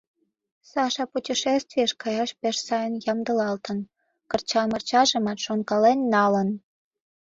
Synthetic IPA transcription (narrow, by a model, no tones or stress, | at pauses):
sɑʃɑputʲiʃest̪vʲijeʃkɑjɑʃpeʃsɑjənjɑmd̪əlɑlt̪ən | kərt͡ɕɑlmərt͡ɕɑʒəmɑt̪ʃonkɑlenːɑlən